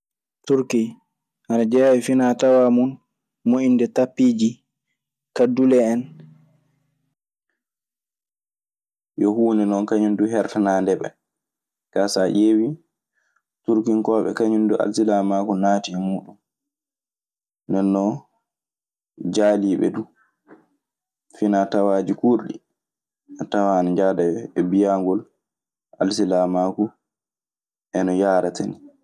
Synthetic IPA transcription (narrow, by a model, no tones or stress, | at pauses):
tuɾki | ʔanad͡ʒɛawifinatawamun | moʔindɛtapːiːd͡ʒi | kadulɛːn | jɔhuːnɛnɔnkaɲunduɦɛɾtanaːndɛɓɛ̰ | kasaʔewi | tuɾkinkɔːɓɛ̰kaɲunduʔa̰lsilamaːkunaːtimuːɗun | nɛnːɔ | d͡ʒaːliːɓɛ̰du | finatawaːd͡ʒikuɾɗḭ | atawanid͡ʒadajɔɛbijaŋɡɔl | ʔa̰lsilamaːku | ʔɛnɔjaːɾatʰani